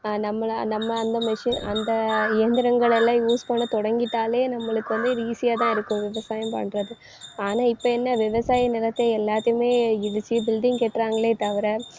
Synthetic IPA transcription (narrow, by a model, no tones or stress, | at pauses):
nɐmːɐɭnɐmːɐːnd̪ɐmɛʂɪnɐ̰nd̪ɐɪjɐnd̪ɪɾɐŋɡɐɭɛlːãːjuːspoːnɐt̪ɔɽɐŋɡɪʈ̪ːaːleːnɐmːɐɭɯkːɯʋɐnd̪ɯɾiːsɪjaːt̪ãːɪɾɯkːʊ̃ʋɪʋɐsaːjɐmpɐ̰ɳɾɐðɯ | aːnaːɪpːɐɛnːɐʋɪʋɐsaːjɐnɪlɐt̪ːɛlːaːt̪ːɐɪjɯmeːɪðɯt͡ʃːibɪlɖ̪ɪŋkeːʈːɾaːŋɡɐɭeːt̪ɐʋɪɾɐ